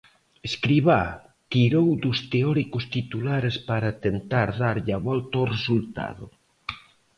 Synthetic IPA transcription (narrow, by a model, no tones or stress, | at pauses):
eskɾiβa | t̪iɾowd̪ust̪eɔɾikʊst̪it̪ulaɾespaɾat̪ent̪aɾðaɾʎaβɔlt̪ɐoresult̪a̰ðʊ̰